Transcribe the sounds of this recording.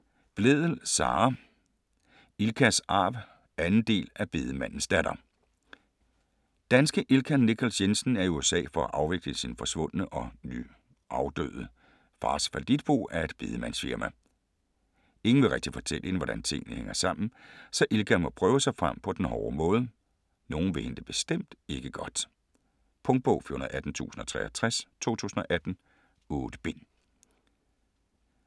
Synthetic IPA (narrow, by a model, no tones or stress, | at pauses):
b̥leðˠəl̩sɑ̰̈ː | ilkʰæsɑ̰̈b̥ | ænn̩d̥e̝̰ːlæb̥e̝ːðˠəmæn̰n̩sd̥æɾ̥ɐ | d̥ænsɡ̥əʔilkʰænikʰælsjensn̩æɐiuesɛ̰ːfɒ̽æʔɑ̈ʊʋe̝ɡ̥ləsinfɒ̽sʋɔ̽n̰nəʔɒ̽ny̰ | ʔɑ̈ʊd̥ø̰ːð̩ˠə | fɑ̈ːsfæld̥id̥̚b̥o̝̰ːæɐe̝d̥b̥e̝ð̞ˠəmæn̰sfiɐmæ | e̝ŋn̩ʋe̝ʁɛɡ̥̚d̥ifɒ̽t͡sʰel̰əe̝nʋɒɾ̥ænt͡sʰe̝ŋ̰nəheŋɐsɑ̈m̰n̩sɒ̽ʔelɡ̥æmɒ̽pʰʁœːʊəsɑ̈ɪfʁam̰pʰɒ̽d̥enhɒːmɔ̽ːð̞ˠə | no̝ːn̩ʋe̝he̝nd̥e̝b̥e̝sd̥em̰d̥e̝ɡ̥əɡ̥ɒ̽d̥ | pʰɔ̽ŋd̥̚b̥ɔʊfyɐhunð̩ˠæd̥n̩t͡sʰṵːsn̩ɒ̽t͡sʰʁɛːɒt͡sʰʁast͡sʰo̝̰ːt͡sʰṵːsn̩ɒ̽ʔæd̥n̩ | ɔːd̥b̥e̝n̰